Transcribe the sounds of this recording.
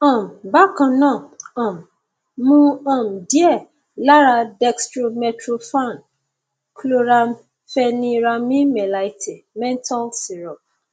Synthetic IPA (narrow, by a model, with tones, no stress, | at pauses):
ɔ̃˨m˨ba˦kã˨nã˦˨ɔ̃˨m˨ | mũ˦ɔ̃˨m˨di˦ɛ˦˨ | la˦ɾa˧dɛ˧kstɾo˧mɛ˧tɾo˧fa˦˨n | klo˦ɾa˧m | fɛ˧nĩ˦˧ɾa˧mĩ˦mɛ˨la˨i˨tʰe˨mɛ̃˦nta˦lsi˨ɾɔ˨